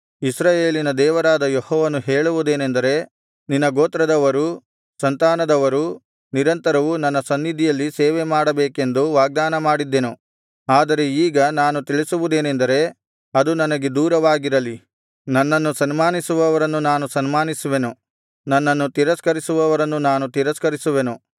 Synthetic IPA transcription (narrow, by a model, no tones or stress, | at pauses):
isɾaːjeːlinɐd̪ɛːʋɐɾaːd̪ɐjehɔːʋɐnuɦeːɭuʋud̪e̞ːnend̪ɐɾe̞ | ninːɐɡoːt̪ɾɐd̪ɐʋɐɾu | sɐnt̪aːnɐd̪ɐʋɐɾu | niɾɐnt̪ɐɾɐʋunɐnːɐsɐnːid̪ʱijɐlːiseːʋemaːɽɐbeːke̞nd̪uʋaːɡ̚d̪aːnɐmaːɽid̪ːenu | aːd̪ɐɾe̞iːɡɐnaːnut̪iɭisuʋud̪e̞ːnend̪ɐɾe̞ | ɐd̪unɐnɐɡe̞d̪uːɾɐʋaːɡiɾɐli | nɐnːɐnːusɐnmaːnisuʋɐʋɐɾɐnːunaːnusɐnmaːnisuʋe̞nu | nɐnːɐnːut̪iɾɐskɐɾisuʋɐʋɐɾɐnːunaːnut̪iɾɐskɐɾisuʋe̞nu